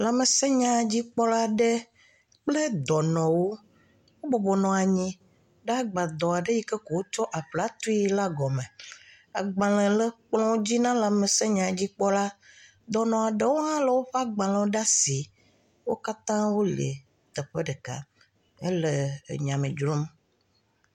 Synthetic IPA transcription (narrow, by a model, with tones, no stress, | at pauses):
la˨me˨sɛ̃˦ɲã˨d͡ʑi˦k͡pɔ˦la˦ɖe˦ | k͡ple˦d̪ɔ˨nɔ̃˨wo˦ | wo˦bɔ˨bɔ˨nɔ̃˨a˨ɲĩ˦ | ɖa˦ɡ͡ba˨d̪ɔ˨a˨ɖe˦ji˦kɛ˦ko˨wo˦t͡ʃɔ˦ʔa˨ɸla˦t̪u˦i˦la˦ɡɔ˨mɛ̃˨ | a˨ɡ͡bã˨lɛ̃˨lə˦k͡plɔ̃˦wo˦d͡ʑi˦nã˦la˨mẽ˨sɛ˦ɲã˨d͡ʑi˦k͡pɔ˦la˦ | d̪ɔ˨nɔ̃˨a˨ɖe˦wo˦nã˦le˦wo˦ɸe˦a˦ɡ͡bã˨lɛ̃˨˦o˦ɖa˦si˨ | wo˦ka˦t̪ã˦wo˦lḛ˨ | t̪ə˨ɸe˦ɖɛ˨ka̰˦ | e˦lḛ˨ɲã˨mẽ˨d͡ʒɾu˦m